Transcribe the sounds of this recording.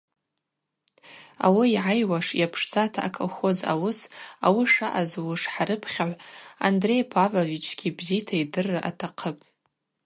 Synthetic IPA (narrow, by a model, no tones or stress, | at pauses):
a̰wiːʕajwaʂjapʰʂt͡sʼatʰaʔakʰolχoza̰wɨsawiʂaʔazwʊʂħaɾɨpʰχʲaʕʷandre̞jpʰavovit͡ʃʰɡʲibzitʰaidɨrːaʔa̰tʰaqʰəpʼ